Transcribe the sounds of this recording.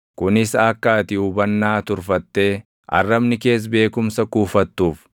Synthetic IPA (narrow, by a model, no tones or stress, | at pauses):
kʊnɪsɐkːaːt̪ɪʊbɐnːaːt̪ʊɾfɐt̪ːe̞ː | ʔɐ̰rːɐbnɪke̞ːs̬be̞ːkʊmsɐkuːfɐt̪ːuːf